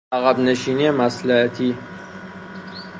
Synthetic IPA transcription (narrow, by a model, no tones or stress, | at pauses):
æɣæbneʃiːniemæslæhæt̪ʰi